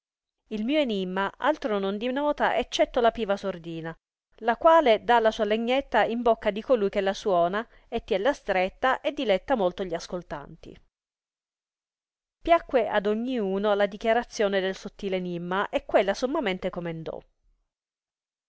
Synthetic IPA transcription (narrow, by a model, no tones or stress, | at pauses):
ilmiːoenimːaʔa̰lt̪ɾonond̪inɔːt̪aʔet͡ʃːɛt̪ːolapiːvasord̪iːna | lakwaːled̪alasuːaleɲːet̪ːaimbokːad̪ikolujk̟elːaswɔːna | et̪ːiɛlːast̪ɾet̪ːaʔed̪ːilɛt̪ːamolt̪oʎiaskolt̪a̰nt̪ḭ | pjakːweʔa̰d̪oɲːiuːnolad̪ikjaɾat̪sːjoːned̪elsot̪ːiːleenimːaʔekːwelːasomːament̪ekomend̪ɔ̰